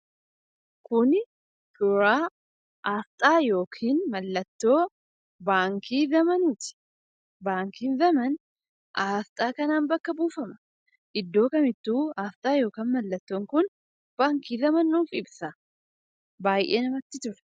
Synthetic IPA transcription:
kʊn | t̪ʊɾaː | ʔaːft̪ʼaːjo̞ːkʰiːnmɐlːɐt̪ːo̞ː | baːŋkʰiːzɐmɐnuːt̪ɪ̥ | baːŋkiːnzɐmɐn | ʔaːft̪ʼaːkɐnaːnbɐkːɐbuːfɐmɐ̥ | ʔɪd̪ːo̞ːkɐmɪt̪ːuːaːft̪ʼaːjo̞ːkaːnmɐlːɐt̪ːo̞ːŋkʊn | b̥aːŋkiːzɐmɐnːuːfɪbsɐ | baːjʔḛːnɐmɐt̪ːɪt̪ʊɾɛ̥

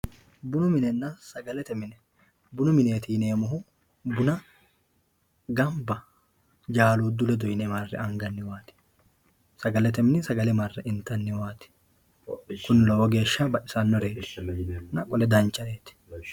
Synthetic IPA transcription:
bʊnʊmɪnɛnːɐsɐɡɐlɛt̪ɛmɪnɛ | bʊnʊmɪneːt̪iːneːmʊɦʊ | bʊnɐ | ɡɐmbɐ | d͡ʒaːluːd̪ʊlɛd̪ɔjnɛmɐrːɛ̰ɐŋɡɐnːɪwaːt̪ɪ̥ | sɐɡɐlɛt̪ɛmɪnɪsɐɡɐlɛmɐrːɛɪnt̪ɐnːɪwaːt̪ɪ̥ | kʊnlɔɔɡe̞ːʃːabɐʔɪsɐnːɔɾeːt | nɐkʼɔlɛd̪ɐnt͡ʃːɐeːt̪ɪ̥

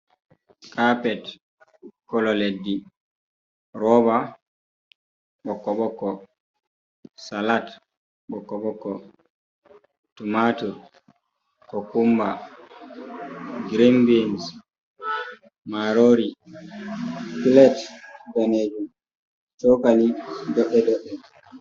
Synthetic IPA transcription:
kʰapɛt | kɔlɔledːi | ɾɔba | ɓɔkːɔɓɔkːɔ | salat | ɓɔkːɔɓɔkːɔ | tumatu | kɔkumba | ɡɾembins | maɾoːɾi | klɛtbaneːd͡ʒum | tɔkalidɔʔːɛdɔʔːɛ

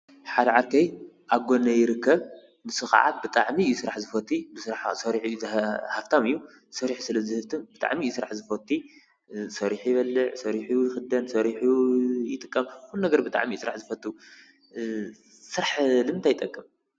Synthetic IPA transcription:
ħad̪ɐʕaɾkʰɐj | ʔaɡonɐjɪɾɨkʰːɐβ | nɨsɨxa̰ʕa̰bɨt̪ʼaʕmijsɨɾaħzɨfɐt̪ʰːibɨsɨɾaħsɐɾiħuzhaft̪ʰamɨjːu | sɐɾiħsɨlɐzɨhɨft̪ʰɨmbɨt̪ʼa̰ʕmisɨɾaħzɨfɐt̪ʰʼːi | sɐɾiħjɪβɐlːɨʕsɐɾiħuujɪxɨd̪ɐnsɐɾiħujɪt̪ʼɨkʼːɐmxunnɐɡɐɾbɨt̪ʼa̰ʕmisɨɾa̰ħzɨfɐt̪ʼːu | sɨɾaħlɨmt̪ʰajɪt̪ʼɐkʼːɨm

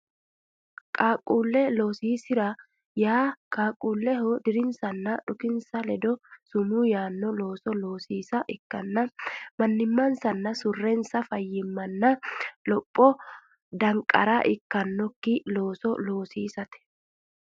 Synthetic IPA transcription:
kʼaːkʼuːlːɛlo̞ːsiːsɪɾɐ | jaːkʼaːkʼːuːlːɛɦɔd̪ɪɾɪnsɐnːɐᶑʊkɪnsɐlɛd̪ɔsʊmuːjaːnːɔlo̞ːsɔloːsiːsɐʔɪkːɐnːɐmɐnːɪmːɐnsɐnːɐsʊrːɛnsɐfɐjːɪmːɐnːɐlɔpʼːɔ | d̪ɐŋkʼːɐ̰ɾaʔɪkːɐnːɔkːɪlo̞ːsɔlo̞ːsiːsɐt̪ɛ̥

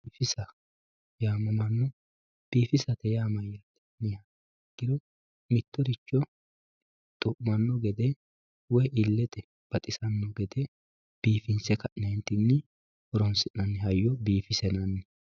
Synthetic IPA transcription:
biːfɪsɐ | jaːmɐmɐnːɔ | b̥iːfɪsɐt̪ɛjaːmɐjːɐt̪ːɛ̥nɪja | ɡ̥ɪɾɔ | mɪt̪ːɔɾɪt͡ʃːɔ | t̪ʼʊʔmɐnːɔɡɛd̪ɛ | wɔjʔɪlːɛt̪ɛ | b̥ɐt̪ʼɪsɐnːɔɡɛd̪ɛ | b̥iːfɪnsɛkɐʔnɛnt̪ɪnːɪ | ɔɾɔnsɪʔnɐnːɛhɐjːɔbiːfɪsɛnɐnːɛ

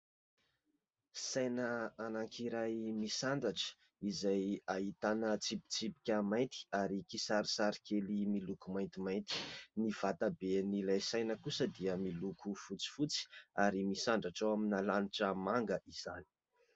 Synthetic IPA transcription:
sajnəanaŋkʰiɾajmisaɳɖ͡ʐaʈ͡ʂə̥ | izajaɦit̪anət͡sipi̥t͡sipi̥kʲəmajnt̪i̥aɾikisaɾisaɾi̥kelimilukumajnt̪imajnt̪i̥niv̥at̪abenilajsajnəkusəd̪iəmilukʰufut͡si̥fut͡si̥aɾimisaɳɖ͡ʐaʈ͡ʂawaminalaniʈ͡ʂəmaŋɡəʔiz̥ani̥

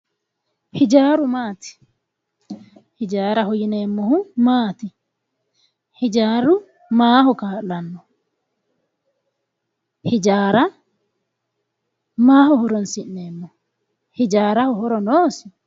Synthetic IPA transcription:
hɪd͡ʒaːɾʊmaːt̪ɪ̥ | hɪd͡ʒaːɾɐhɔjɪneːmːɔhʊmaːt̪ɪ | hɪd͡ʒaːɾʊ | maːhɔkaːlɐnːɔ | hɪd͡ʒaːɾa | maːɦɔhɔɾɔnsɪʔnːeːmːɔ | hɪd͡ʒaːɾahɔhɔɾɔnoːsɪ

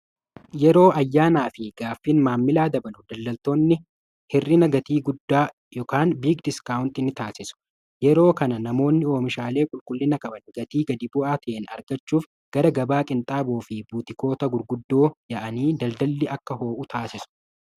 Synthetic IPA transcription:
jɛɾo̞ːʔɐjːaːnaːfɪɡaːfːiːnmaːmːɪlaːd̪ɐbɐnʊd̪ɐld̪ɐlt̪o̞ːnːɪ | hɪrːɪnɐɡɐt̪iːɡʊd̪ːaː | jɔkaːnbiːkd̪ɪskawʊnt̪ɪnɪt̪aːsɪsʊ̥ | jɛɾo̞ːkɐnɐnɐmo̞ːnːɪo̞ːmɪʃaːle̞ːkʼʊlkʼʊlːɪnɐkʼɐbɐnɡɐt̪iːɡɐd̪ɪbʊʔaːt̪ʰɐʔeːnɐ̰ɾɡɐt͡ʃːuːf | ɡ̥ɐɾɐɡɐbaːkʼɪnt̪ʼaːboːfɪbuːt̪ɪko̞ːt̪ɐɡʊɾɡʊd̪ːo̞ːjɐʔɐniːd̪ɐld̪ɐlːɪʔɐkːɐɦo̞ːʔʊt̪ʰaːsɪsʊ̥

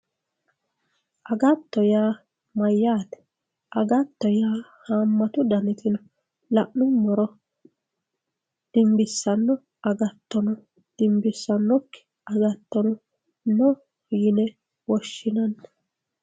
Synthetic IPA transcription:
ʔɐɡɐt̪ːɔjaː | mɐjːaːt̪ɛ̥ | ʔɐɡɐt̪ːɔjaːhaːmːɐt̪ʊd̪ɐnɪt̪ɪnɔ | lɐʔnʊmɔɾɔ | d̪̥ɪmbɪsːɐnːɔ | ʔɐɡɐt̪ːɔnɔ | d̪̥ɪmbɪsːɐnːɔkːɪ̥ | ɐɡɐt̪ːɔnɔ | nɔ | jɪnɛ | wɔʃːɪnɐnː

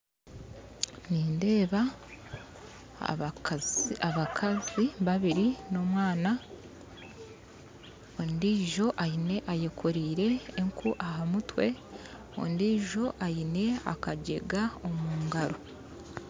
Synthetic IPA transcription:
niːnde̞ːβa | aβakʰaziβaβiɾino̞mwaːna | ondiːʒo̞ʔajine̞ʔaje̞kʰoɾiːɾe̞ːŋkʰuʔaɦamutwe̞ | o̰ndiːʒo̞ʔajine̞a̰kaɟe̞̰ɡao̞muːŋɡaɾo̞

